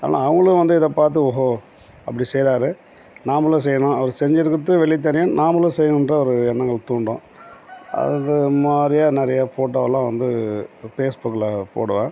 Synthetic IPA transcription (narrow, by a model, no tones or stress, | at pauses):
a̰ːlã̰ːɐʋɐŋɡɐɭɯkːɯʋɐnd̪ɯɪðɐpaːɾt̪̬ɯɔɦo | ɐpːɐɽisɛjɾaːɾɯ | naːmɐlːɐ̃s̬ɛjːɐɳõːɐʋɐɾɯsɛɾɪɲd͡ʒɪɾɯkːɯɾɐt̪ːɯʋɛɭːɪt̪̬ːɐɾɪjɐ̃naːmɐlɐ̃sɛjːɐnɯndɾɐɔɾɯɛnːɐŋɡɐɭt̪uːɳɖõ̰ː | ɐ̰ðɐmaːd̪ɾɪjaːnɪɾɐjapoːʈːaːʋɐlːãːʋɐnd̪ɯfeːsbʊkːɪlɐpo̰ːɽɯʋẽː